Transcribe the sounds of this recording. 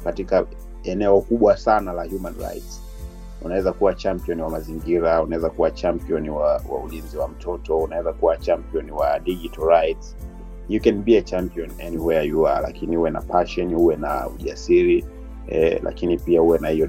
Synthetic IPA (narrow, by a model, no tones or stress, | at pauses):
katika | ɛnɛɔkuɓwasanalahjumanɹa̰jts | unawɛzakuwat͡ʃampiɔniwamaziŋɡiɾaunawɛzakuwat͡ʃampiɔniwawa̰ulinziwam̩tʰɔtɔunawɛzakuwat͡ʃampiɔniwaɗiʄitaɾajts | jukɛnbiat͡ʃampiɔnɛniwɛjajuala̰kinihuwɛna̰paʃɔnihuwɛna̰ṵʄasiɾi | ɛlʔa̰kinipiahuwɛnahijɔ